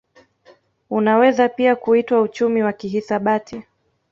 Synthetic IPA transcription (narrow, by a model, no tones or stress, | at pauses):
unawɛzapiakuitwaut͡ʃumiwakiɦisaɓatʰi